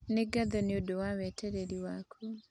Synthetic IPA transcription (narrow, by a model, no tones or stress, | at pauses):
neɡaðoniodowaβeteɾeɾiwakʰu